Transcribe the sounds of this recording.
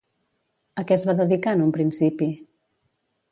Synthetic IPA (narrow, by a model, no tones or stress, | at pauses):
əkɛzβaðəðikanumpɾinsipi